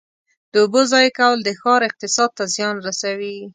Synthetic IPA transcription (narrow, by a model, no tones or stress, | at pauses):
d̪̥əʊbozɑjkawld̪əxɑɾɪq̚t̪ɪsɑd̪̚t̪azjɑnɾasawi